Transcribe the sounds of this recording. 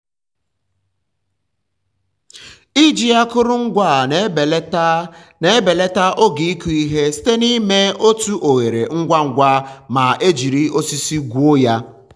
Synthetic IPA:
i˦d͡ʒi˦a˦kʊ˦ɾʊ˦ŋ̩˦ɡʷa˦˨˦ | ne˨˦be˨le˦ta˦ʔo˦ɡi˨i˦ku˨i˦ɦe˦si̥˦te˦ni˦me˦o˦tu˦ʔo˨ɣe˨ɾḛ˨ŋ̩˦ɡʷa˦ŋ̩˨ɡʷa˦ma˨ʔe˦d͡ʒi˨ɾi˦o˦si˦si˦ɡʷu˦o˦ja˦

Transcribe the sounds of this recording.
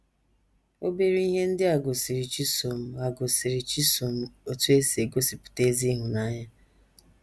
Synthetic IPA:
o˦be˦ɾi˦i˦ɦe˦n̩˦dɪ˦a˨ɡo˨si˨ɾi˨t͡ʃi˦so˨m̩˦a˨ɡʊ˨si˨ɾi˨t͡ʃi˦so˨m̩˦o˨tu˦e˦si˨e˨ɡo˦si˨pʊ̥˨te˦zi˦ɦʊ˨na˦ɲa˦

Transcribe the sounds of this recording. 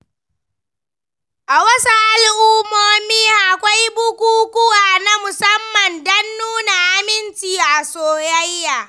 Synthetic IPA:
ʔa˨wɐ˦su˦ʔa˨lʔʊː˦moː˦miː˦ʔa˨kʷa˦jbʊ˦kʷuː˦kʷʊ˦waː˨na˦mʊ˨sɐ˦mːɐ˨ndɐ˦nːuː˦na˨ʔa˦mɪ˦nt͡ʃiː˨ʔa˨soː˨jɐ˦jːaː˨

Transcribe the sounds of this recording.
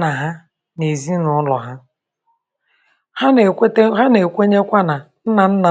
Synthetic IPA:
na˨ɦa˦ | ne˨zi˦nʊ˨ʊ˦lɔ˨ɦa˦ | ha˦˨˦tɦa˦ne˨kʷe˦ɲe˦kʷa˦na˨n̩˦na˨n̩˦na˨

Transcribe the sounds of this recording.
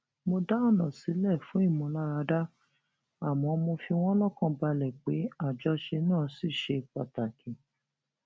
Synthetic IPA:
mo˧da˦ɔ˦˨nã˨si˨˦lɛ˦˨fũ˨˦i˦˨mũ˧˦la˦ɾa˧da˦ | a˦˨mɔ̃˨˦mo˧fi˧w̃ɔ̃˦lɔ˦kã˧ba˧lɛ˨k͡pe˨˦a˦˨d͡ʒɔ˧˦ʃe˧nãː˦˨˦si˦˨ʃe˧k͡pa̰˨ta˨kĩ˨

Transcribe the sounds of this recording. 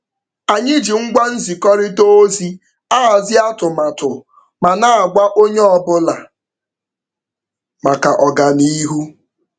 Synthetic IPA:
a˨ɲɪ˦d͡ʒi˨ŋ̩˦ɡʷa˦n̩˦zi˨kɔ˦ɾɪ˦to˦zi˦ | a˦a˨zɪ˦a˦tʊ˨ma˨tʊ˨ | ma˨na˦˨a˨ɡʷa˦ʔo˦ɲe˦ɔ˦˨bʊ˦la̰˨ | ma˨ka˨ʔɔ˨ɡa˨ni˦ɦu˦

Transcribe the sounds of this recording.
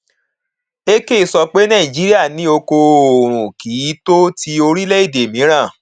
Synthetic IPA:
e˦ke˦˨sɔ˧k͡pe˦nã˦˨ĩ˨d͡ʒi˨˦ɾi˦a˦˨nĩ˨˦o˧ko˧o˨ɾ̃ũ˨ki˨˦to˦ti˧o˧ɾi˦lɛ˦i˦˨de˨mĩ˨˦ɾ̃ã˦˨

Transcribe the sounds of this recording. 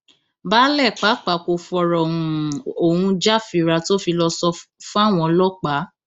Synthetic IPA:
baː˦lɛ˦˨k͡pa˨˦k͡pa˨ko˧fɔ˧ɾɔ˨ũ˨o˨hũ˧d͡ʒa˦˨fi˧ɾa˧to˦fi˧lɔ˧sɔ˧fũ˦a˦˨w̃ɔ̃˧lɔ˦k͡pa˨˦

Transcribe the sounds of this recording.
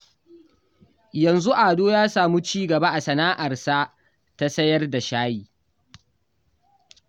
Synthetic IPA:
jɐ˨nzu˦ʔaː˨doː˦jaː˦saː˨mu˦t͡ʃiː˦ɡɐ˨ba˦ʔa˨sɐ˨naː˦ʔa˨rsa˦ | ta˦sɐ˦jɐ˦rda˨ʃaː˦jiː˦

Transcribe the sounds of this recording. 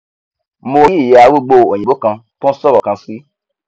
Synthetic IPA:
mo˧˦i˦˨je˨˧a˧˦wu˦ɡ͡bo˧o˨ɲĩ˨bo˦kã˧pũ˦sɔ˦ɾɔ˨kã˧si˦

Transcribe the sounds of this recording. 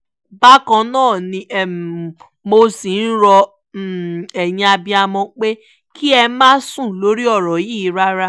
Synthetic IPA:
ba˦kã˧nãː˦˨nĩ˧ʔɛ˨ | mo˧si˨n̩˦ɾɔ˧˨ | ɛ˨jĩ˧a˧bĩ˧a˧mɔ̃˧k͡pe˦ | kʰi˦ɛ˧mãː˦sũ˦˨lo˦ɾi˦ɔ˦˨ɾɔ˨ji˦˨˦ɾa˦ɾa˦

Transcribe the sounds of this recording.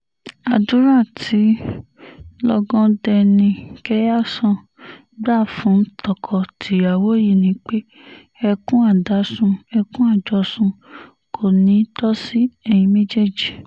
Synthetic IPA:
a˨dũ˦ɾã˦˨tʰi˨˦ | lɔ˦ɡɔ̃˦dɛ˧nĩ˧kɛ˦ja˦˨sɔ̃˧ | ɡ͡ba˦˨fũ˨˦n̩˦tɔ˦˨kʰɔ˨tʰi˨˦a˨wo˦ji˦˨nĩ˨˦k͡pe˦ | ɛ˧kũ˦a˦˨da˨˦sũ˧ɛ˧kũ˦a˦˨d͡ʒɔ˧sũ˧ | kʰo˦˨nĩ˨˦tɔ˦si˦ɛ˦˨j̃ĩ˧me˦d͡ʒe˦˨d͡ʒi˨

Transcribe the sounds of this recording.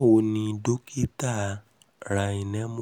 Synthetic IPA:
o˧nĩ˧do˦ki˦ta˦˨ | ɾa˧i˨nɛ̃˨˦m̃˦

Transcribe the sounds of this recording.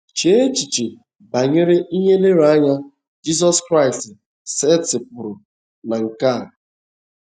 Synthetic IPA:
t͡ʃe˦t͡ʃi˨t͡ʃi˨ | ba˨ɲe˦ɾe˦i˦ɲe˦le˦ɾa˦ɲa˦ | d͡ʒi˦zɔ˦skɾa˦˨ɪ˨stɪ˨ | se˦tɪ˨pʊ˨ɾʊ˨ | na˨ŋ̩˨ka˦˨

